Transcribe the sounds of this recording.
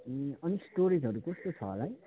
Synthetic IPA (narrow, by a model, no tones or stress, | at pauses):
ʌnisʈoɾid͡zɦʌɾukʌst̪ot͡sʰʌ̰ɦʌ̰laj